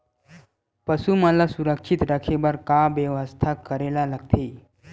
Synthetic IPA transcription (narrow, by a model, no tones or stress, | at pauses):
pəsuməlasuɾəkʃit̪ɾakʰebəɾkaʋjəʋəst̪ʰakːəɾelaləɡ̚t̪ʰe